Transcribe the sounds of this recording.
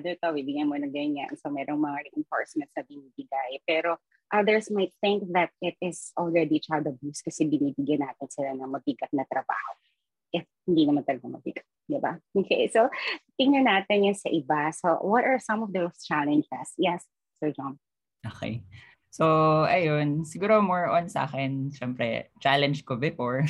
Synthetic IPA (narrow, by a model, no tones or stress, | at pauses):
ad̪ɛt̪obibɪɡanmonɐŋɡɐjʊnja̰nsomɛɾoŋmɐŋaɹiʔɪnfo̰ɹsmɛ̃nt̪snɐbɪniːbɪɡajpɛɾo | ʔɐðɛɹsmajt̪̚θɪ̃ŋk̚ðɐt̪̚ɪt̪ɪsɔlɹɛd̪it͡ʃad̪ɐbjuskɐsɛbɪniːbɪɡjɐnaːt̪ɪnsɪlanɐmɐbiɡɐt̪̚nɐt̪ɾɐba̰ːho | ʔɪfhɪnd̪inɐmant̪ɐlɐɡɐmɐbḭɡɐ̥t̪̚d̪ɪba̰ʔokʰejsot̪ɪŋnɐnaːt̪ɪnjʊnsɐʔɪbasowɔt̪ɐɹsɐ̃mɔvd̪ost͡ʃalɛnd͡ʒɛsjɛsː | ɛɹd͡ʒɔm | ʔoːkɛ̰j | soʔɐjonsɪɡuːɾomɔɹɔnsɐa̰ːxɛnʃɛmpɾɛ̰t͡ʃalɛnd͡ʒkobɪfoɹ